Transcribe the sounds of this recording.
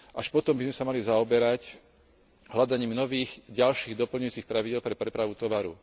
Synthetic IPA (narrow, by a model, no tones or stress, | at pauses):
ʔaʃpɔt̪ɔmbizmɛsamalizaɔbɛɾac | ɦlad̪aɲiːmnɔʋiːɣɟalʃiːɣd̪ɔpl̩ɲuʊjuːt͡sixpɾaʋiɟɛlpɾɛpɾɛpɾaʋut̪ɔʋaɾṵ